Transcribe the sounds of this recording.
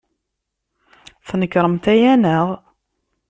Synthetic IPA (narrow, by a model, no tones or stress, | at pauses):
θnəkɾˤəmt̪æjænəʁ